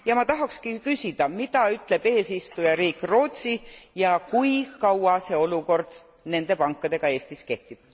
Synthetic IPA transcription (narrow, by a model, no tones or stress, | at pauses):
jɑmɑt̪ɑɦɑkskikysid̪̥ɑmid̪̥ɑyt̪ˑle̞b̥e̞ːsist̪ujɑɾiːkˑro̞ːt̪ʲsijɑkujkɑwɑse̞o̞luko̞rd̪̥ | ne̞nd̪̥e̞pɑŋkːˑɑd̪̥e̞ɡ̥ɑe̞ːst̪iske̞ht̪ib̥̚